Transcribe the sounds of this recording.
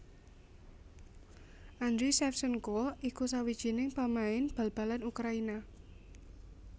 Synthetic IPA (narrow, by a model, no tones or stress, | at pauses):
ʔand̪ɾisɛfsənkoikusawid̥ʒ̥i̤nɪŋpamaɪnb̥a̤lb̥a̤lanukɾaina